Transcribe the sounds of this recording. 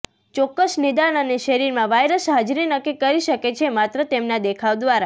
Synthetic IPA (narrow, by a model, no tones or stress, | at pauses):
t͡ʃɔkːəsnid̪anəneʃəɾiɾmãʋajɾəsɦad͡ʒɾinəkːikːəɾiʃəket͡ʃʰemat̪ɾət̪emnad̪ekʰaʋd̪ʋaɾa